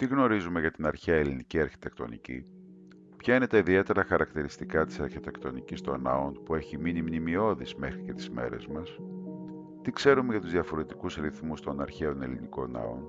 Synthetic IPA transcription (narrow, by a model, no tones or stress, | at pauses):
t̪iɣno̞ɾizume̞ʝɐt̪inɐɾçeɐeliniciɐɾçi̥t̪e̞kt̪o̞̰nḭcḭ | pçɐine̞t̪ɐiðie̞t̪e̞ɾɐxɐɾɐkt̪iɾist̪ikɐt̪i̥sɐɾçit̪e̞kt̪o̞nicist̪o̞̰nɐ̰o̞npue̞çiminimnimio̞ðisme̞xɾice̞t̪i̥zme̞̰ɾe̞̰zmɐs | t̪ikse̞ɾume̞ʝɐt̪uzðiɐfo̞ɾe̞t̪ikusɾiθmust̪o̞nɐɾçe̞o̞ne̞liniko̞̰nɐ̰o̞̰n